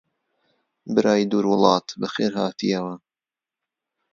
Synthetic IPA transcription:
bɨɾaːjid̪uːɾwʊlˠɑːt̪bɨxeːɾɦa̰ːt̪ijɐwɐ

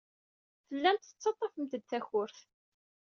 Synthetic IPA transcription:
θəlːænt̪θə̥t͡sːɑt̪ˤːɑfəmt̪əd̪θæçʊɾθ

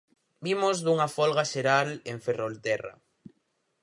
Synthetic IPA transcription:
bimozðuŋɐfɔlɣaʃeɾaleɱferolt̪ɛra̰

